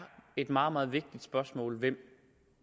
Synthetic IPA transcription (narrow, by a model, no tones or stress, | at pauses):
e̝d̥mɑ̈ːð̩ˠmɑ̈ːð̞̩ˠʋe̝ɡ̥̚d̥id̥sb̥ɶɐsmɔ̰ːlʋem̰